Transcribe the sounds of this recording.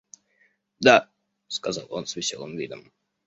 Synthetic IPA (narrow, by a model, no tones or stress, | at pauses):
d̪a | skazɑlˠo̰nsvʲɪsʲolˠɨ̰mvʲid̪ə̰m